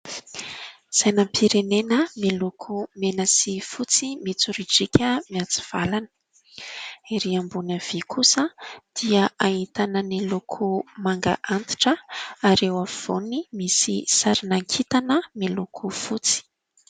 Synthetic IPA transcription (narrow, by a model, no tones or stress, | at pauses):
z̥ajnəmpʰiɾenenəmilukʰumenəsifut͡simit͡suɾiʈ͡ʂikʲəmiat͡si̥v̥alanə̥ | iɾiambunəv̥ikʰusəd̪̥iəait̪anənilukʰumaŋɡa̰ʔant̪i̥ʈ͡ʂəaɾewav̥onimisḭsaɾinaŋkʰit̪anəmilukʰufut͡si̥